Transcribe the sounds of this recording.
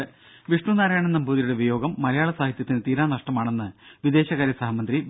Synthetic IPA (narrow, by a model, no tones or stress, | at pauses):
ʋiʂɳunaːɾajaːɳenːɐmbuːðɐjuɽeʋijo̞ːɡɐmːɐlɐjaːɭɐsaːɦit̪jɐt̪ːint̪iːɾaːnɐʂʈɐmaːɳe̞nːɨʋid̪e̞ːɕɐɣaːɾjɐsɐɦɐmɐnd̪ri